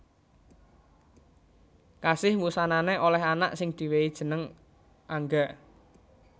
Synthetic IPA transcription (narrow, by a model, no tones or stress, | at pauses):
kasɪhmusananeʔolɛɦanaʔsɪŋd̪̥i̤weid̥ʒ̥ə̤nəŋ | ʔaŋɡaʔ